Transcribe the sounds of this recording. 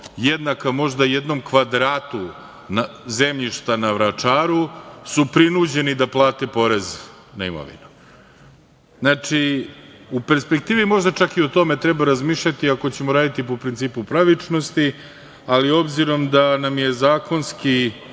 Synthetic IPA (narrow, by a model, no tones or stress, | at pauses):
jed̪nakamo̞ʒd̪aje̞d̪no̞mkʋad̪ɾaːt̪u | naze̞mʎiʃt̪anaʋɾat͡ʂaːɾusupɾinud͡ʑe̞nid̪aplˠaːt̪epo̞ɾe̞z | naḭmo̰ʋḭnu | znat͡ʂi | upe̞ɾspek̚t̪iːʋimo̞ʒd̪at͡ʃakio̞t̪o̞me̞t̪ɾebaɾazmiːʃʎat̪iako̞t͡ɕe̞mo̞ɾaːd̪it̪ipopɾint̪siːpupɾaʋit͡ʂno̞st̪i | alio̞bziɾo̞md̪anamje̞zaːko̞nski